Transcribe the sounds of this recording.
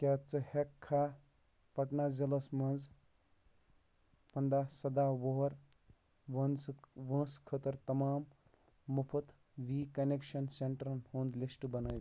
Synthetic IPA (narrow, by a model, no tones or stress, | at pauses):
kʲat͡sɨhekʰːa | pɐʈnazilɐsmɐ̃nz | pɐnd̪asɐd̪aʋoɦɾ | ʋɐnʋə̃ːskʰət̪əɾt̪ɐmaːmː | upʰɐt̪ | ʋikɐnekʃɐnseɳʈɾɐnhũnd̪lisʈbɐnəː